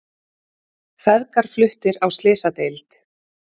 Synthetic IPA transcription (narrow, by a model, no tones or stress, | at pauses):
fɛðkaɾ̥flʏht̪ɪɾawst̪lɪːsat̪ejlt̪